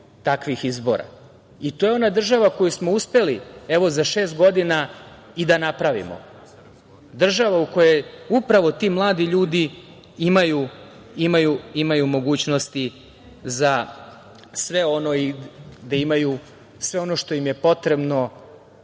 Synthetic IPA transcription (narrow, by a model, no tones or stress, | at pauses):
t̪akʋixizbo̰ɾa̰ | it̪o̞ːjeo̞nad̪r̩ʒaʋako̞jusmo̞uspe̞lieʋo̞zaʃe̞ːst̪ɡo̞d̪ina | id̪anapɾaʋḭmo̞̰ | d̪r̩ʒaʋauko̞jeupɾaʋo̞t̪iːmlˠaːd̪iʎuːd̪i | imaju | imajuimajumo̞ɡuːt͡ɕnost̪i | za | sʋe̞o̞no̞id̪aimaju | sʋe̞o̞no̞ʃt̪o̞jimje̞po̞t̪ɾe̞bno̞